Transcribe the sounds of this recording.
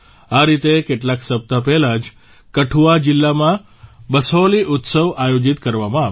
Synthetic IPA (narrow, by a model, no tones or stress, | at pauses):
aɾit̪ekeʈlaksəp̚t̪apɛɦlad͡ʒ | kəʈʰuad͡ʒɪlːamã | bəsoliʔʊt̪səʋajod͡ʒit̪kəɾʋamãa